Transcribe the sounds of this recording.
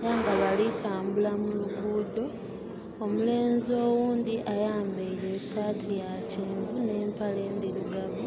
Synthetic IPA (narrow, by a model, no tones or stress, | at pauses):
jaːŋɡaβalitʰaːmbulamuluɡuːdo̞ | omule̞ːnzio̞ːwuːnd̪iʔajaːmbeileːsaːtʰija | ciːmɡune̞ːmpale̞ːndiɾiɡaβu